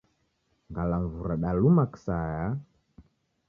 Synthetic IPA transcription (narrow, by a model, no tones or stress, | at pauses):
ŋɡalaɱvuɾaɗalumaksaja